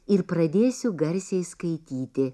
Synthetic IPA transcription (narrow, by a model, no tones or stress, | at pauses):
ɪɾpɾɐd̪ʲeːsʲʊɡɐɾʲsʲɛɪskɐɪt̪ʲiːt̪ʲɪ